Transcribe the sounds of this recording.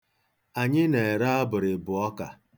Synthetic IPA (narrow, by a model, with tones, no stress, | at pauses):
a˨ɲɪ˦ne˨ɾa˦a˦bʊ˨ɾɪ˨bʊ˨ɔ˦ka˨